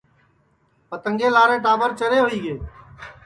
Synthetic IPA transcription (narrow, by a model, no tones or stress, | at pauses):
pət̪ə̃ŋɡeːlaːɾẽːʈaːʋəɾt͡ʃəɾeːɦʊiːɡeː